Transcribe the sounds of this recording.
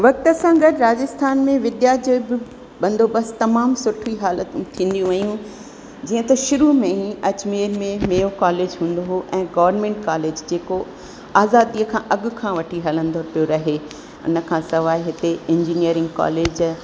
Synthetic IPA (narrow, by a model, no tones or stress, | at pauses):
ʋɐk̚t̪ə̆sãɡɐd̪ɾaːd͡ʑɪst̪ʰaːnmẽʋɪd̪jaːd͡ʑobɪ | ɓɐ̃nd̪oɓɐst̪ɐmaːmsʊʈʰuiɦaːlət̪ʊ̃t̪ʰĩːn̆d̪ijũʋɐijũ | d͡ʑiːə̃t̪ɐʃʊɾumẽĩʔɐt͡ɕmeːɾmẽmeːjokaːleːd͡ʑɦũːn̆d̪oɦoʔɛ̃ːɡɐʋəɾnmẽːɳʈkaːleːd͡ʑd͡ʑeːko | aːzaːd̪iəkʰãʔɐɠʊ̆kʰãʋɐʈʰiɦɐlə̃nd̪oɾpijoɾɐɦe | ʊ̰nə̆kʰãːsɐʋaːiɦɪt̪eɪ̃ɲd͡ʑiniəɾɪ̃ŋɡka̰ːleːd͡ʑ